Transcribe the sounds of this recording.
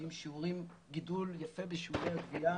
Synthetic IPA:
imʃiuʁim | ɡiduljafe̞beʃiuʁejaɡvia

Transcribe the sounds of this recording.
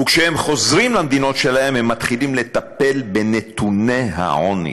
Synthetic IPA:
ukʃehemχo̞zʁimlamd̪ino̞t̪ʃe̞lahe̞mhemːat̪χilimle̞t̪ape̞lbe̞ne̞t̪une̞ɦa̰ʕonḭ

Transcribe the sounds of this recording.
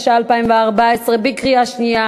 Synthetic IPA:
ʃaalpaimvɛaʁbaɛsʁɛbikʁiaʃnia

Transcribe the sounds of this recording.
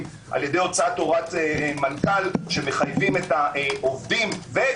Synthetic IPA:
m | ʔa̰lje̞d̪e̞jo̞t͡sato̞ʁatemankalʃe̞me̞χajvimetaʔo̞vdimve

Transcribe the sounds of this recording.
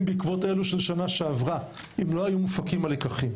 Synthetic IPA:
mbikvo̞te̞luʃelʃanaʃeavʁa | imlo̞ajumufakimalikaχim

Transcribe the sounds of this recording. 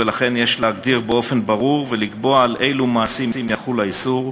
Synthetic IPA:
elaχe̞njeʃleaɡd̪iʁbeo̞fe̞nbaʁuʁveliɡbo̞aːlʔejlumaːsimsimjaχulaisuʁ

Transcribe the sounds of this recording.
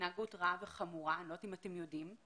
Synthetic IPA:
naɡutʁaveχamuʁanotimatemjodim

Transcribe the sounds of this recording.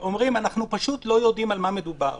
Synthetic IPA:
ʔo̞mʁimanaχnupaʃut̪lo̞jo̞d̪imalmame̞d̪uba̰ʁ

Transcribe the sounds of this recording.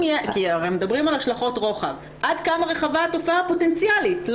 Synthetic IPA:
kiaʁejmedabʁimalhaʃlaχo̞tʁo̞χa̰v | ʔadkamaʁe̞χavaːto̞fapo̞tent͡sjalitl

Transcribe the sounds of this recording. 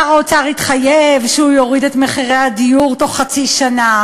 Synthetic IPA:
aʁot͡saʁitχajevʃhujoʁidetmeχiʁejhadijuʁto̞χːat͡siʃana

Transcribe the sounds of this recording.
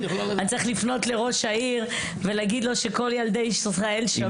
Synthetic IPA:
anitt͡saʁiχlifno̞tle̞ʁo̞ʃaiʁ | veleːɡid̪lo̞ʃeko̞ljald̪ejiʃsʁaelʃa

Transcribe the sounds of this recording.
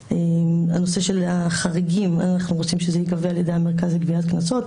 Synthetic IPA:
emano̞se̞ʃe̞laχaʁiɡima̰naχnuʁot͡simʃezejikavealjed̪ejameʁkazleɡviat̪knaso̞t

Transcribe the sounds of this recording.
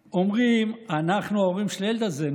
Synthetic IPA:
omʁimanaχnuoʁimʃlelt̪aze

